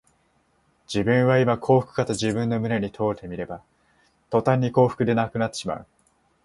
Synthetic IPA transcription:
d͡ʑibɯ̟̃ɰ̃βaimakʰo̞ːɸɯ̥kɯ̟̥kat̪od͡ʑibɯ̟̃nːo̞mɯ̟ɾe̞ɲ̟it̪ʰo̞ːɾt̪e̞mʲiɾe̞ba | t̪o̞t̪ãɲ̟ːiko̞ːɸɯ̥kɯ̟d̪e̞nakɯ̟nat̪ːe̞̥ɕima̰ɯ̟

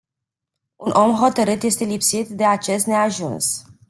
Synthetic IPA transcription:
unʔo̞mɦo̞t̪əɾɨt̪je̞st̪e̞lipsit̪d̪e̞at͡ʃe̞st̪ne̞aʒuns

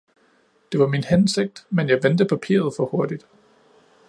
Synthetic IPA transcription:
d̥e̝ʋɑ̈minhense̝ɡ̥̚d̥menjɑ̈ɪʋend̥əpʰæpʰḭːɐð̞̩ˠfɒ̽ho̝ɐd̥id̥

